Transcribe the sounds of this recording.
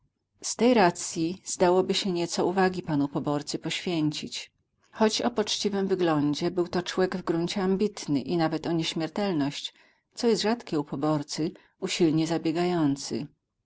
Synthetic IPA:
st̪ɛjɾat̪sʲjiz̥d̪awɔbɘɕɛɲɛt̪sɔuvaɡʲipanupɔbɔɾt̪sɘpɔɕfʲjeɲt͡ɕit͡ɕ | xɔt͡ɕɔpɔt͡ʂt͡ɕivɘmvɘɡlɔɲd͡ʑɛbɘwt̪ɔt͡ʂwɛɡvɡɾuɲt͡ɕɛambʲit̪nɘ̰ʔinavɛt̪ɔɲɛɕmʲɛɾt̪ɛlnɔɕt͡ɕ | t̪sɔjɛst̪ʐat̪kʲɛupʰɔbɔɾt̪sɘ | uɕilɲɛzabʲjɛɡajɔnt̪sɘ̰

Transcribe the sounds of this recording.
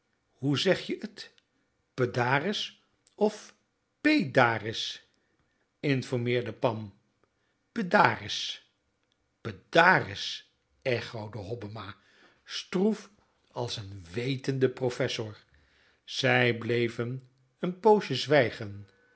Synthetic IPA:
huzɛχjəʔət | pədaːrɪs | ɔf | pejdaːrɪs | ɪnfɔɹmɪːɹdəpɑm | pədaːrɪs | pədaːrɪs | ɛχowdəɦɔbəmaː | struf | ɑlˠsənʋejtəndəprofɛsʊɹ | z̥ɛjblejvən | ənpowʃəzʋɛjχən

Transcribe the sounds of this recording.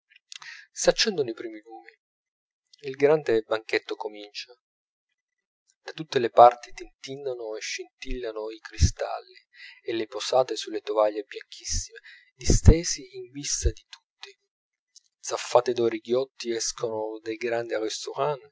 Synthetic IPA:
sat͡ʃːɛnd̪onoipɾiːmiluːmi | ilɡɾand̪ebaŋk̟et̪ːokomint͡ʃa | d̪at̪ut̪ːelepart̪it̪int̪inːanoeʃːint̪ilːanoikɾist̪a̰lːi | eleposaːt̪esulːet̪ovaʎːebjaŋk̟ʰisːime | d̪ist̪eːsiːɱvist̪ad̪it̪u̥t̪ːi | d̪z̥afːaːt̪ed̪ɔɾiɡjɔt̪ːiɛskʰonod̪ejɡɾand̪iarist̪oɾaːn

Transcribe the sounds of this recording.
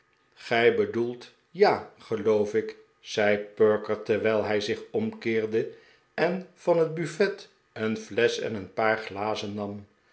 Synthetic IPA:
χɛjbədulˠt | jaːχəlowfɪk | z̥ɛjpøɹkəɹtɛɹʋɛjlˠɦɛjzɪχɔmkɪːɹdə | ɛnv̥ɑnɦəd̚byfɛt | ənvlɛsɛ̰nənpaːɹχlaːzənːɑm

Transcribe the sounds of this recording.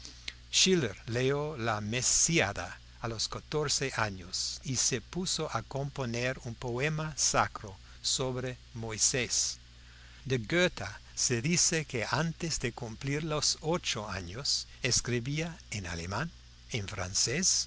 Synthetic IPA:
ʃileɾleolamesiaðaː | loskat̪oɾseʔaɲosisepusoʔakomponeɾumpoemasakɾo | soβɾe | mojses | d̪eɡøt̪ʰaseðisekeant̪ezd̪ekumpliɾlosot͡ʃoa̰ɲoseskɾiβiaena̰lḛmãn | eɱfɾa̰nses

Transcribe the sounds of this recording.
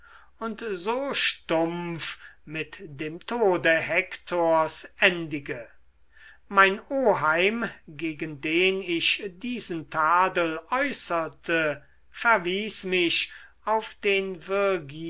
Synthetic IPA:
ʊntzoːʃtʊmfmɪtd̥eːmtʰoːdəɦɛktʰoɐsʔɛndɪɡə | maɪnoːɦaɪmɡeːɡəndeːnɪʃdiːzən̩tʰaːdəlɔʏsɐtʰə | fɛɐviːsmɪʃ | aʊfd̥eːnvɪɐɡi

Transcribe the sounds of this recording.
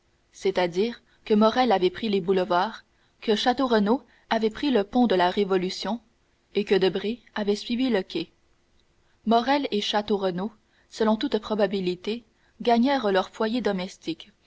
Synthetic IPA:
sɛt̪ad̪iːʁ | kəmɔʁɛlavɛpχilebuləvwaːʁ | kəʃat̪oʁəno | avɛpχiləpɔ̃d̪əlaʁevɔlysjɔ̃ | ekəd̪əbʁi | avɛsɥiviləkʲɛ | mɔʁɛleʃat̪oʁəno | səlɔ̃t̪ut̪pχɔbabilit̪e | ɡaɲɛːʁlœʁfwajed̪ɔmɛst̪ik

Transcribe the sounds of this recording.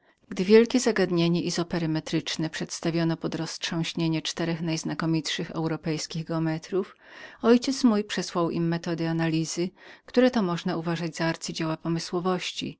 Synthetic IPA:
ɡ̥d̪ɘvʲjɛlkʲɛzaɡad̪ɲeɲɛʔizɔpɛɾɘmɛt̪ɾɘt͡ʂnɛpʂɛt̪st̪avʲɔnɔpɔd̪ɾɔstʂɔ̃w̃ɕɲeɲɛt͡ʂt̪ɛɾɛxnajznakɔmʲitʂɘxɛ̰wɾɔpɛjskʲiɣɡɛɔmɛt̪ɾuf | ɔjt͡ɕɛt̪smujpʂɛswawʔḭmːɛt̪ɔd̪ɘanalʲizɘkt̪uɾɛt̪ɔmɔʐnauvaʐad͡ʑzaaɾt̪sɘd͡ʑewapɔmɘswɔvɔɕt͡ɕḭ

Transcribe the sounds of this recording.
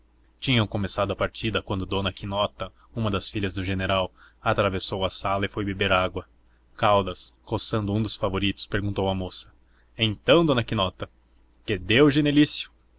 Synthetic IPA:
t͡ʃĩɲɐ̃w̃komesad̪ʊɐpaɾt͡ʃid̪ɐkwɐ̃nd̪ʊd̪õnɐkinɔt̪ɐ | ũmɐd̪ɐsfiʎɐzd̪ʊʒeneɾawat̪ɾavesowɐsalɐɪfojbebeɾaɡwɐ | kawd̪ɐskosɐ̃nd̪ʊũd̪ʊsfavoɾit̪ʊ̥speɾɡũt̪owɐmosɐ | ẽnt̪ɐ̃w̃d̪õnɐkinɔt̪ɐ | ked̪ewʒenelisjʊ̥

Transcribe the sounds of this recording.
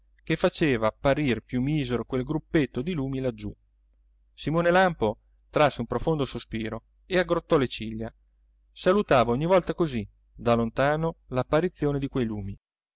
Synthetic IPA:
k̟efːat͡ʃeːvaːpːaɾirpjumːiːzeɾokwelɡɾupːet̪ːod̪iluːmilad͡ʒːu | simoːnelampo | t̪ɾasːeumpɾofond̪osospiːɾo | eaɡɾot̪ːɔlet͡ʃiʎːa | salut̪aːvaoɲːivɔlt̪akozi | d̪alont̪aːnolapːaɾit̪sːjoːned̪ikwejluːmi

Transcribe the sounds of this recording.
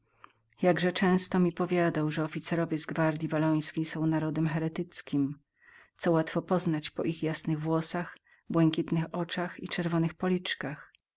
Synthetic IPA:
jaɡʐɛt͡ʂɛ̃w̃st̪ɔmʲipɔvʲjad̪awʐɛɔfʲit̪sɛɾɔvʲjɛzɡvaɾd̪ʲjivalɔj̃skʲejsɔ̃w̃naɾɔd̪ɛmxɛɾɛt̪ɘt̪skʲim | t̪sɔwat̪fɔpɔznat͡ɕpɔ̰ʔixjasnɘɣvwɔsax | bwɛŋkʲit̪nɘxɔt͡ʂaxit͡ʂɛɾvɔnɘxpɔlʲit͡ʂkax

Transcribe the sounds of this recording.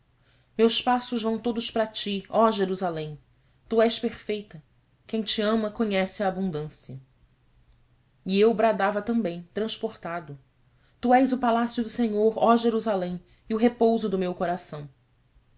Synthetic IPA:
mewspasʊʒvɐ̃w̃t̪od̪ʊʃpɾat͡ʃiɔʒeɾuzalẽj̃ | t̪uɛʃpeɾfejt̪ɐ | kẽj̃t͡ʃiɐ̃mɐkoɲɛsɪaːbũnd̪ɐ̃sijɐ | iewbɾad̪avɐt̪ɐ̃mbẽj̃t̪ɾɐ̃ʃpoɾt̪ad̪ʊ | t̪uɛjzʊpalasjʊd̪ʊseɲoɾɔʒeɾuzalẽj̃ | iʊɦepowzʊd̪ʊmewkoɾasɐ̃w̃

